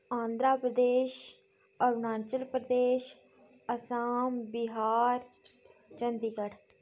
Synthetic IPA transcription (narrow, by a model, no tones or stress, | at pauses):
ãːnd̪ɾaːpɾəd̪eːʃ | əɾnãːnt͡ʃəlpɾəd̪eːʃ | əsaːmbɪɦaːɾ | t͡ʃənd̪iːɡəɽ